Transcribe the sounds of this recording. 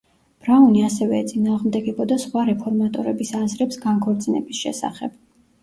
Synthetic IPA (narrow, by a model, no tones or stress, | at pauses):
b̥ɾauniasɛvɛːt̪sʼinaːʁmd̪ɛɡɛbʰɔd̪asχwaɾɛpʰɔɾmat̪ʼɔɾɛbisazɾɛpsɡaŋkʰɔɾt̪sʼinɛ̰bisʃɛ̰sa̰χɛ̰b̥